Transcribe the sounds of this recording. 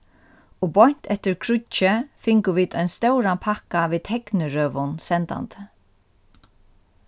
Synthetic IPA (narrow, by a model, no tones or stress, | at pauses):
ɔbɔjɲ̥t̪ɛft̪ɪɾkʰɾʊt͡ʃɪfɪŋkʊʋiːt̪œjnst̪œwɾanpʰahkaviːt̪ʰɛknɪɾœːʋʊnsɛnt̪a̰nt̪ə̥